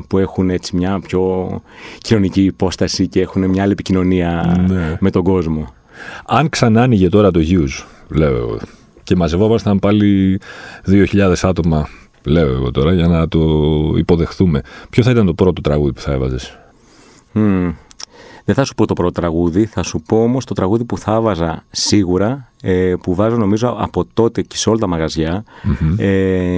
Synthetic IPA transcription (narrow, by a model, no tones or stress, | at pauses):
pue̞xune̞t͡simɲɐpço̞ | cino̞niciːpo̞st̪ɐsice̞e̞xune̞mɲɐɐliepicino̞niɐneme̞t̪o̞ɡo̞zmo̞ | ɐŋksɐnɐniʝe̞t̪o̞ɾɐt̪o̞ʝuz | le̞o̰ | ce̞mɐzevo̞mɐst̪ɐmpɐli | ðio̞çiʎɐðe̞sɐt̪o̞mɐ | le̞o̞eɣo̞̰t̪o̞ɾɐʝɐnɐt̪o̞ḭpo̞ðe̞xθume̞pçoθɐit̪ɐnt̪o̞pɾo̞t̪o̞t̪ɾɐɣuðipu̥θɐe̞vɐ̰zes | ðeθɐsu̥po̞t̪o̞pɾo̞t̪ot̪ɾɐɣuðiθɐsupo̞omo̞st̪o̞t̪ɾɐɣuðipuθɐvɐzɐsiɣuɾɐ | epuvɐzono̞mizoɐ̰po̞t̪o̞t̪e̞ceseo̞lɐt̪ɐmɐɣɐzʝɐ | e